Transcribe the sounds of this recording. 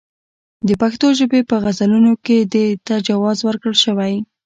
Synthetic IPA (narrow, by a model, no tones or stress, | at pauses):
d̪əpaxt̪oʒəbepəɣazalunoked̪et̪ad͡ʒawɑzwəɾkəlʃəwaj